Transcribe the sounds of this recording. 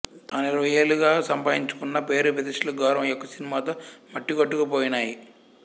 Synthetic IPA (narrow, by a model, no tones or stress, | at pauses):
t̪aːniɾʋɐjeːluɡaːsɐmpaːɦiɲt͡ʃu̥kunːɐpeːɾuʋɐd̪ɐʂɐlɐɡɔːɾɐ̃mjokːɐsinimaːt̪oːmɐʈːikoʈːukɐpoːjinaːji